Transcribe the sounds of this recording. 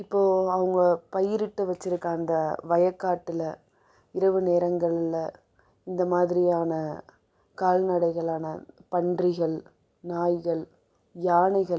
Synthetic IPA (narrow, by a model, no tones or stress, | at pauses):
ɪpːoːɐʋɐŋɡɐpɐjɪɾɪʈːɯʋɐt͡ʃːɪɾɯkːaːnd̪ɐʋɐjɐkːaːʈːɪlɐ | ɪɾɐʋɯneːɾɐŋɡɐɭɪlɐ | ɪnd̪ɐmaːðɪɾɪjaːnɐ | kaːlnɐɽɐɪɣɐɭaːnɐpɐɳɖrɪɣɐɭ | naːjɣɐɭ | jaːɳɪɣɐ